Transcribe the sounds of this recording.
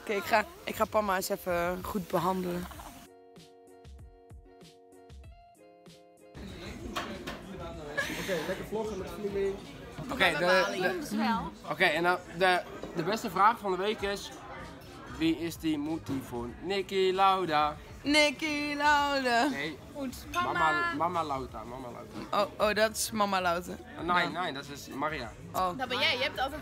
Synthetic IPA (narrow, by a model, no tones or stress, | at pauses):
keɪkχaɪkχaːpɔmaɪsɛfəχut̚bəɦɑndələn | okejlɛkəflɔxəmətflilɪokej | sɛlokejɛndɔdə | dəbɛstəfraːxfɔndəʋejkɪs | ʋiɪsdimut̚ifonnɪkilawda | nɪkilawdaej | ut | maamamalawta̰mamala̰wtaooːdɔtɪ̥smamalawtə | najnajdɔtɪsmaria̰ | odbɛjɛjəɛp̚tɔ